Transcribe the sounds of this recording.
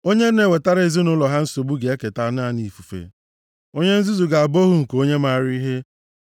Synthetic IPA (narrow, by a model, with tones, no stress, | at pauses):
o˦ɲe˦n̩˦ne˨we˨ta˦ɾa˦e˨zi˦nʊ˦lɔ˨ɦa˦n̩˦so˨bu˦ɡe˨e˦ke˨ta˨˦n˦a˦˨ni˨fu˨fḛ˨ | o˦ɲe˦n̩˦zu˦zu˨ɡa˨a˨bo˦ɦu˦ŋ̩˨ko˦ɲe˦ma˦˨ɾi˦ɦe˦